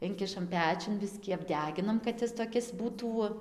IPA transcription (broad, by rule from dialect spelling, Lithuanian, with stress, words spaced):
ˈɪŋʲkʲɪʃɐm ˈpʲæːt͡ʃʲʊn ˈbʲɪsʲkʲiː ɐbʲˈdʲæːɡʲɪnɐm kɐt ˈjɪs toːˈkʲɪs ˈbuːtuː